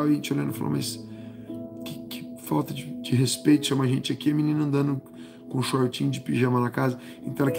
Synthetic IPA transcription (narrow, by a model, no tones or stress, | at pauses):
awɐʒẽnt͡ʃoʎɐ̃nd̪ʊfalo̰ma̰js | kɪkɪfawt̪ɐd͡ʒɪd͡ʒɪɦespejt̪ʊ̥ʃɐ̃mɐʒẽt͡ʃɪakiɐmĩnĩnɐ̃nd̪ɐ̃nd̪ʊ | kõʃaɾot͡ʃĩɲʊd͡ʒɪpiʒɐ̃mɐnɐkazɐ | ẽnt̪ɐ̃w̃ɛlɐk